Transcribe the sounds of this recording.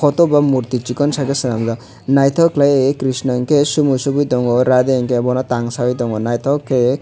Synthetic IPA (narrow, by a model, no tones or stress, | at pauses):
kɔt̪ɔbamuɾt̪it͡ʃikɔnsakesinamza | najt̪ʰɔklajekɾisnɔŋkesumusubit̪ɔŋɡɔɾad̪eŋkebɔnat̪aŋsawit̪ɔŋɡɔnajt̪ʰɔkːe